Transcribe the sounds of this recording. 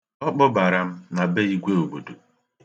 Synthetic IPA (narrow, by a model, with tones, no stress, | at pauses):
ɔ˦k͡pɔ˦ba˨ɾa˨m̩˦na˨be˦i˦ɡʷe˦o˨bo˨do˨